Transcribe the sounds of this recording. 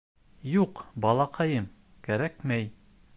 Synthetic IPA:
juqbɒlˠɑqʰɑjɤm | kæɾækmæj

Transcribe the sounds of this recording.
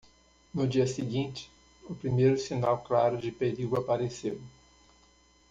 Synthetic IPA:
nʊd͡ʒiɐsɪɡĩnt͡ʃɪ̥ | ʊpɾimejɾʊsinawklaɾʊd͡ʒɪpeɾiɡʊapaɾesew

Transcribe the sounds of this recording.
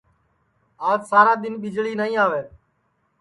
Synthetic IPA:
aːd͡ʒsaːɾãːd̪ɪnɓɪd͡ʒɭiːnəːĩːaːʋeː

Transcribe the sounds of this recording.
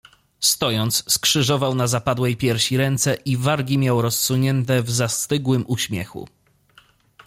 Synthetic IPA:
st̪ɔjɔnt̪sskʂɘʐɔvawnazapad̪wɛjpʲjɛɾɕiɾɛnt̪sɛʔivaɾɡʲimʲjawɾɔsːuɲɛnt̪ɛvzast̪ɘɡwɘmʔuɕmʲjɛ̰xṵ

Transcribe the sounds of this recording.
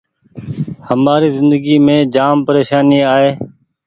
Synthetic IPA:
həmaːɾiːzɪnd̪əɡiːmẽːd͡ʒaːmpəɾeːʃaːniːaːɦeː

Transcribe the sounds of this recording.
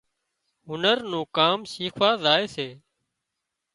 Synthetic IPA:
ɦʊnəɾnũːkaːmsiːkʰʋaːzaːeːseː

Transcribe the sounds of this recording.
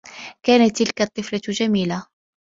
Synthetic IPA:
kaːnat̪ːɪlkat̪ˤːɨflat̪ʒamiːla

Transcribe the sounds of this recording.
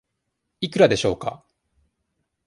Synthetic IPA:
ikɯ̟ɾad̪e̞ɕo̞̰ːka̰

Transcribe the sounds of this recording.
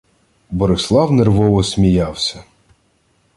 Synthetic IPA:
bɔɾɪslˠɑwnerʋɔʋɔsʲmʲijɑwsʲɐ

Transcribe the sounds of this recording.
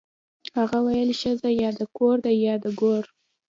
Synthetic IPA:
haɣawajəlʃəzajɑd̪əkoɾd̪ajɑd̪əɡoɾ

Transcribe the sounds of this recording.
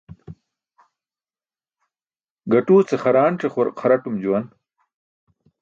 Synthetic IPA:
ɡɐʈuːt͡seχɐɾaːɳʈ͡ʂeχoɾqʰɐɾɐʈumd͡ʑuwɐn

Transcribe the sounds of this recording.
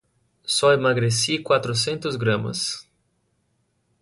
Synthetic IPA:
sɔemaɡɾesikwat̪ɾʊsẽnt̪ʊzɡɾɐ̃mɐ̰s

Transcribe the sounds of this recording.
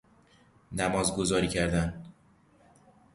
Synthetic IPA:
næmɒːzɡo̞zɒːɾiːcʰæɾd̪æn

